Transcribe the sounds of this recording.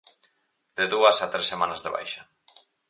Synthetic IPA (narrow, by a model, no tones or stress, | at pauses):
d̪eðuasat̪ɾesːemanazðeβ̞a̰jʃa